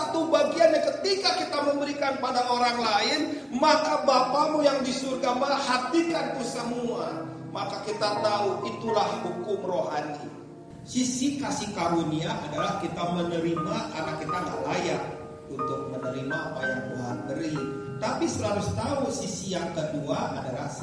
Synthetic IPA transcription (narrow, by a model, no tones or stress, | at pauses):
t̪ubaɡianɲakət̪ikakit̪aməmbəɾikanpadaoɾaŋlaɪnmakabapamujaŋdisurɡamaɦat̪ikankəsəmuan | makakit̪at̪auʔit̪ulahhukʊmroɦanḭ | sisikasihkaɾuniaʔadalahkit̪aməɲəɾimakarnakit̪aŋa̰ʔlajaʔ̚ | unt̪ʊk̚mənəɾimaapajaŋbuɦa̰n̚bəɾi | t̪apisəlalust̪ausisijaŋkəduaʔadala̰